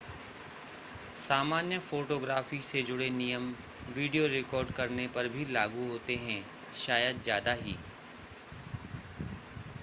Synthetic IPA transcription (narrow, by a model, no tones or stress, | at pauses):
saːmaːnjəfoːʈoːɡɾaːfised͡ʒʊɽenijəm | ʋiːɖijoɾɪkɔːɾɖkɐɾnepɐɾbʱilaːɡuɦoːt̪eɦɛ̃ | ʃaːjəd̪zjaːd̪aɦḭː